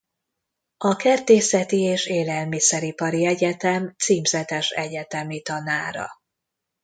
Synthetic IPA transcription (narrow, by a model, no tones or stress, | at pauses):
ɒkɛrt̪eːsɛt̪ieːʃeːlɛlmisɛɾipɒɾiɛɟɛt̪ɛmt̪siːmzɛt̪ɛʃɛɟɛt̪ɛmit̪ɒnaːɾɒ̰